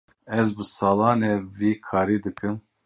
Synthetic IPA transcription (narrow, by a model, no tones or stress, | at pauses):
ɛzbɨsɑːlɑːneːviːkʰɑːɾiːd̪ɨkɨm